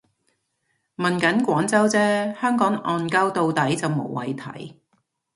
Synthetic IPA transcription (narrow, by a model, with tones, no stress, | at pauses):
mɐ˨nkɐ˨˥nkʷɔː˨˥ŋt͡sɐ˥wt͡sɛː˥hœː˥ŋkɔː˨˥ŋʔɔː˧nkɐ˥wt̪o˨˧wt̪ɐ˨˥jt͡sɐ˨wmo̰˨˩wwɐ̰˨jt̪ʰɐ̰˨˥j